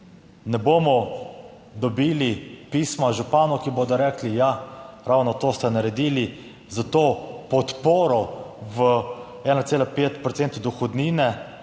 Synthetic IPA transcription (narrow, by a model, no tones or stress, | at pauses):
nɛboːmɔ | d̪ɔbiːlipiːsmaʒupaːnɔkiboːd̪ɔɾɛːklijaɾawnɔt̪oːst̪ɛnaɾɛd̪iːli | zat̪oːpɔt̪poːɾɔʋə | ɛːnat̪seːlapeːt̪pɾɔtseːnt̪d̪ɔxɔd̪niːnɛ